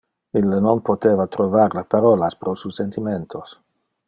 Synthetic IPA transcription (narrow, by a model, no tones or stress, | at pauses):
ilːenonpot̪evat̪ɾovaɾlapaɾolaspɾosusent̪iment̪ʰos